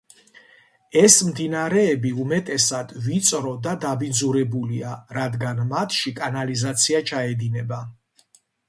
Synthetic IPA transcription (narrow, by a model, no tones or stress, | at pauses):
ɛsmd̪inaɾɛːbiumɛt̪ʼɛsad̪̥vit̪sʼɾɔd̪ad̪abid̪zuɾɛbuliaɾad̪ɡanmat̪ʰʃikʼanalizat̪sʰiat͡ʃʰaɛd̪inɛba